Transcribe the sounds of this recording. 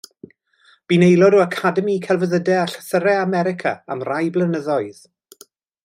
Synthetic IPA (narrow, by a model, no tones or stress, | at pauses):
b̥inejlˠɔɾuakʰadəmikʰɛlˠvəðədɛaɬə̥θəɾɛamɛɾɪkʰa̰a̰mrajblˠənəðɔɨð